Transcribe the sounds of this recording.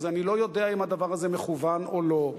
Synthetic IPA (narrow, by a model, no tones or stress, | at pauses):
zanilo̞jo̞d̪eaimad̪avaʁazemeχuvanolo̞